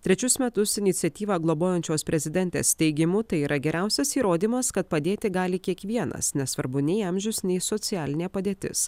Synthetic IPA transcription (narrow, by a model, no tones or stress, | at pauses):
t̪ʲɾʲɛt͡ʃʲʊsmʲɛt̪ʊsɪnʲɪt̪sʲɛt̪ʲiːʋɑːɡlˠoboːjɛnʲt͡ʃʲoːspʲɾʲɛzʲɪd̪ʲɛnʲt̪ʲḛːst̪ʲɛɪɡʲɪmʊt̪ɐɪiːɾɐɡʲɛɾʲʔæˑʊsʲɛsiːɾoːd̪ʲiːmɐskɐt̪̚pɐd̪ʲeːt̪ʲɪɡɑːlʲɪkʲiɛkʋʲiɛnɐ̰snʲɛsʋɐɾbʊnʲɛɪɐmʲʒʲʊsnʲɛɪsɔt̪sʲɪjæːlʲɪnʲeːpɐd̪ʲeːt̪ʲɪ̰s